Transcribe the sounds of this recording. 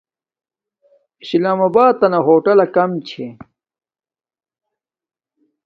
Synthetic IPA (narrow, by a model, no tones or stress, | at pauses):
islaːmɐbaːd̪̚t̪ːɐnɐɦoːʈɐlɐkɐmt͡ɕʰe